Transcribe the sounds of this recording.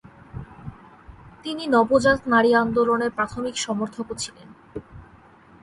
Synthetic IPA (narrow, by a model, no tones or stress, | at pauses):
t̪ininɔbod͡ʑat̪naɾiand̪oloneɾpɾat̪ʰomikʃɔmoɾt̪ʰokot͡ɕʰilen